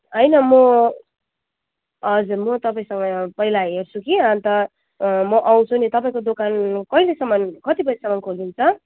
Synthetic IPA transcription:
ʌjnʌmʌ | ʌd͡zurmʌt̪ʌpaĩsʌŋɡʌpʌilaɦert͡sʰukiãnt̪ʌ | mʌʔaw̃t͡sʰunit̪ʌpaĩkod̪okankʌilesʌmʌnkʌt̪ipʌlesʌmʌnkʰolint͡sʰʌ

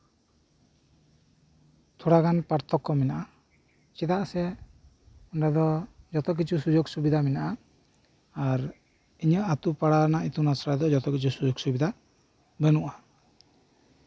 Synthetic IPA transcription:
t̪ʰɔɽaɡanpaɾt̪ʰɔkːɔmɛnaʔa | t͡ʃɛt̪aʔsɛ | ɔnɖad̪ɔd͡ʒɔt̪ɔk̬it͡ʃʰusud͡ʒɔɡsubid̪ʱamɛnaʔaː | ɾ | iɲəʔat̪upaɽanait̪unasɾajd̪ɔd͡ʒɔt̪ɔkit͡ʃʰusud͡ʒoɡsubid̪ʱa | bənuʔa

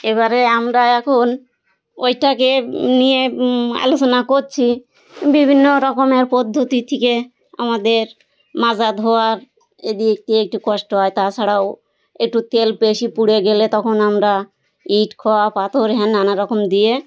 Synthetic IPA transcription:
eβaɾeamɾaɛkʰon | ojʈakenijea̰lot͡ɕonakoɾt͡ɕʰi | bibʱinːoɾɔkomeɾpɔd̪ʱːot̪it̪ʰike | a̰mad̪eɾ | mad͡ʑad̪ɦɔaɾ | ed̪iek̚ʈiek̚ʈukɔʃʈoɦɔjt̪at͡ɕʰaɽaw | ek̚ʈut̪elpeʃipuɽeɡelet̪ɔkʰonamɾa | iʈkʰɔwapat̪oɾɦɛnːanaɾɔkomd̪ije

